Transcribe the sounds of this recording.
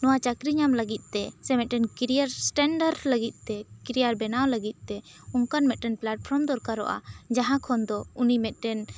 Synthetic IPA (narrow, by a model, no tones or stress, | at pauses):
nɔwat͡ʃakɾiɲamləɡit̪̚ˀt̪ɛsɛmɛt̪̚ʈɛnkiɾijaɾsʈɛɳɖəɾləɡit̪̚ˀt̪ɛkiɾijaɾbɛnawləɡit̪̚ˀt̪ɛuŋkanmɛt̪̚ʈɛnplaʈ̚pʰɾɔmd̪ɔɾkaɾɔ̰ʔa̰d͡ʒaɦãkʰɔnd̪ɔunimɛt̪̚ˀʈɛn